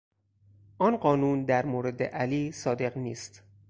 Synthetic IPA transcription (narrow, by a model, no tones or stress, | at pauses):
ʔɒːnɢɒːnuːnd̪æɾmoːɾe̞d̪ḛʔæliːsɒːd̪e̞ɣniːst̪